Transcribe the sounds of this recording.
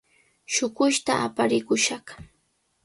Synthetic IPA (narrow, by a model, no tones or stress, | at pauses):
ʃʊkʊʃt̪aʔapaɾɪkʊʃɑχ